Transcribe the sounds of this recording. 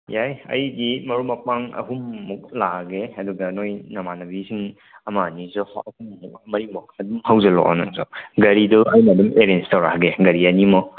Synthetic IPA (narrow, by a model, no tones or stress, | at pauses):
jajɐ̰jdimɐɾumɐpaŋɐ̰ɦumːɔk̚laɡeɐduɡɐnojnɐmanɐbisʰiŋ | ɐmanizɔhɐhummuk̚mɐɾimɔk̚ɐdumhawzelɔ̰ka̰naŋzɔ̰ɡɐɾidɔɐjmɐdɐmeɾenstawɾaɡeɡɐɾianimɔ